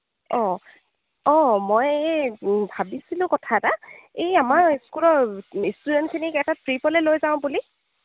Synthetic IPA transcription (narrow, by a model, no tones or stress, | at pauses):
ɔ̃ | ɔmoj | bʱabisilʊ̃kɔtʰataejamaɹiskulɔɹistudɛntkʰinikɛtatɹipɔlɛlojzaʊ̃buli